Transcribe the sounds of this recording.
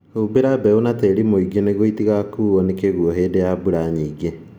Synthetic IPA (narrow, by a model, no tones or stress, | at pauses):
ubeɾabɛunatɛɾimoiɡeneɣoitiɣakuːɔnekeɣuɔɦeːdejabuɾaɲiːɡe